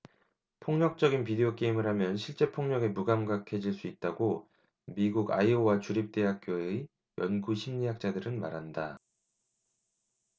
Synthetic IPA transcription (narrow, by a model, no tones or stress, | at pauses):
pʰoŋɲʌk̚t͡ɕ͈ʌɡinpide̞ok͈e̞imɯɾɦamjʌnɕʰiɭt͡ɕ͈e̞pʰoŋɲʌɡe̞muɡamɡakʰe̞d͡ʑiɭs͈uit̚t͈aɡo | miɡuɡa̰iowat͡ɕuɾip̚t͈e̞ɦak̚k͈joe | jʌnɡuɕʰimɲiɦak̚t͡ɕ͈adɯɾɯnmaɾɦanda